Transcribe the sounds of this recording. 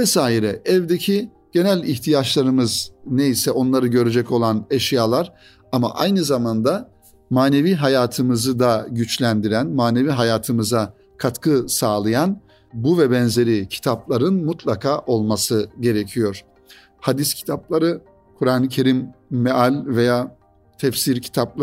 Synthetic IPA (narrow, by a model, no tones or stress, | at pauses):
vɛsaːiɾɛɛvd̪ecʰi | ɟ̥e̞nælʲiçt̪ʰijat͡ʃlˠaɾɯmɯzneisɛo̞nlˠaɾɯɟø̞ɾed͡ʒɛco̞lˠaneʃjaːlˠaɾ̥ | ama̰ʔajnɯzamand̪a | maːne̞viːɦajaːt̪ʰɯmɯzɯd̪aɟyt͡ʃlʲænd̪iɾænmaːneviːɦajaːt̪ʰɯmɯza | kʰat̪kʰɯsaːlˠɯjan | buvɛbɛnze̞ɾicʰi̥t̪ʰaplˠaɾɯnmut̪ʰlˠakʰaːʔo̞lˠmasɯɟe̞ɾecʰijo̞ɾ̥ | had̪iscʰi̥t̪ʰaplˠaɾɯ | kʰuɾaːnɯcʰe̞ɾimːeʔalʲvejaː | t̪ʰɛfsiɾcʰi̥t̪ʰapˠ